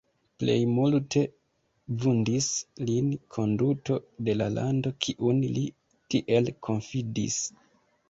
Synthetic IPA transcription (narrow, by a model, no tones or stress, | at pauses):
ple̞̰jmultʰe̞ | vundislinkʰo̞nduto̞de̞lalʔando̞kʰiʔunli | tiʔe̞lkʰo̞nfidḭs